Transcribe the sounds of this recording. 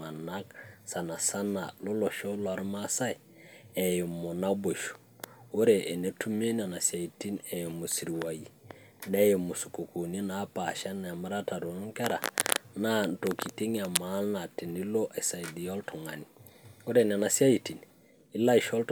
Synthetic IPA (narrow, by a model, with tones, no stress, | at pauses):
a˨na˦ksa˨na˨sa˦na̰˨lo˦lo˨ʃo˦lo˨a˨ɾma˦sa˦i | e˨jo˨mo˨na˦bo˨ʃu̥ | wo˦ɾe˨ʔe˨ne˦tu˦me˦na˨na˨si˨a˨i˨ti˦ne˨jo˨mu˨si˨ɾi˨wa˨ji˨ | ne˦je˨mu˨su̥˨ko˨ko˨ni˦na˨˦pa˨ʃa˦nː˨a˨ma˦ɾa˦ta˨do˨˦ŋke˦ɾa̰˨na˦nto˨ki˨ti˦ŋ˦a˨ma˨˦lna˨ti˨ni˦lo˦ʔe˨sa˨idi˨jo˦lto˨ŋa˨ni˨o˦ɾe˨n˨a˨na˨si˦a˦ji˨ti˨n | i˦la˦i˨ʃo˦lt